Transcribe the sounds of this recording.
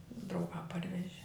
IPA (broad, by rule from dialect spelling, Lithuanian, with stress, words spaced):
drɐʊˈɡɑː ˈpɐrʲʋʲɛʒʲɪ